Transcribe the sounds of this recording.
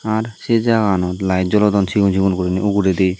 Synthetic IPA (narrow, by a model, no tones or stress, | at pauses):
aɾsed͡ʒaɡanɔt̪lajd͡ʒɔlɔd̪ɔnt͡ʃʰiɡunt͡ʃʰiɡunkoɾiniʔuɡuɾed̪ej